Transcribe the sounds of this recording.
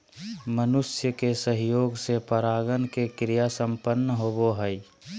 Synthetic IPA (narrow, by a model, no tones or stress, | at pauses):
mənʊsjəkesəɦjoːɡsepəɾaːɡənkekɾijasə̃mpənːəɦoboɦəi